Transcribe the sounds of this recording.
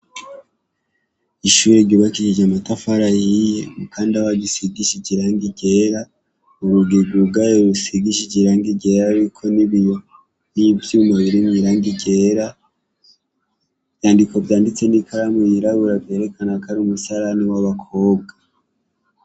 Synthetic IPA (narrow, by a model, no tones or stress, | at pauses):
iʃuɾe̞ɟiβakiʃid͡ʒamatafaɾajijkaːndiaβaɟisiɡiʃiɟiɾaːŋɡiɟe̞ːɾa | uɾuɡeɡuɡajeɾusiɡiʃiɟiɾaːŋɡiɟe̞ːɾaɾikʰo̞niβijo | nivjumaβiɾimiɾaːŋɡiɟeːɾa | vjaːndiko̞vjaːndit͡se̞nikʰaɾamojiɾaβuɾavje̞ɾe̞kʰanakaɾumusaɾaniwaβakʰo̞ːb̚ɡa